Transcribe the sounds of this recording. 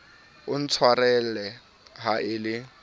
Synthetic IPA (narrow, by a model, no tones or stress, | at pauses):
ʊn̩t͡sʰwarɛlɛ | ɦaʔɪlɪ